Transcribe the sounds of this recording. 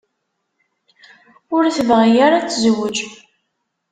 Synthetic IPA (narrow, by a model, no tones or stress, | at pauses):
ʊɾθəvʁijaɾat͡sːzəwəd͡ʒ